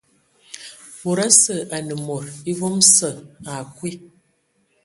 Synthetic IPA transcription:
mo˨ɾa˦sə˨a˨nə˨mo˨ɾi˦vo˦msə˨a˨kwi˦

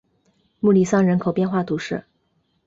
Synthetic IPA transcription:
mu˥˩li˥˩sɑ˥˩ŋɻə˧˥nkʰo˨˩ʊpjɛ˥˧nxwa˥˩t̪ʰu˧˥ʂɻ̩˥˩

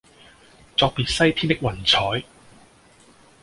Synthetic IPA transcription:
t͡sɔː˧k̚piː˨t̚sɐ˥jpʰi˥nt̪ɪ˥k̚wɐ˨˩nt͡sʰɔː˨˥j

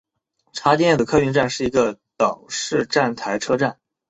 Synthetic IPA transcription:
ʈ͡ʂʰa˧˥t͡ɕɛ˥˧njɛ˥˩d̪ə˩kʰɤ˥y˥˧nʈ͡ʂa˥˧nʂɻ̩˥˩i˧˥ɡə˧t̪ɑ˨˩ŋʂɻ̩˥˧ʈ͡ʂa˥˩nt̪ʰa˧˥ɪʈ͡ʂʰɤ˥ʈ͡ʂa˥˩n

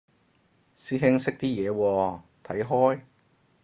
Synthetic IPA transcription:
siː˥ɦɪ˥ŋsɪ˥k̚t̪iː˥jɛː˨˧wɔː˧t̪ʰɐ˨˥jɦɔː˥j

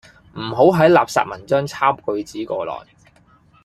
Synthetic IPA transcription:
m̩˨˩ɦo˨˥wɦɐ˨˥jla̰ː˨p̚sa̰ː˧t̚mɐ˨˩nt͡ʃœː˥ŋt͡sʰaː˥mkɵ˧ɥt͡siː˨˥kɔː˧lɔ̰ː˨˩j

